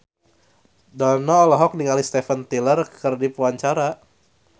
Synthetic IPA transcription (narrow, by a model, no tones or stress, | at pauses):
danɔːlɔɦɔk̚niŋalist̪efənt̪ilərkərdipuaɲt͡ʃaɾa